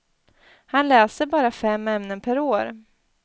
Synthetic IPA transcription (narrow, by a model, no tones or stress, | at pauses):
hanlɛːsəbɑːɾafɛmːɛmnənpʰæɾoːɾ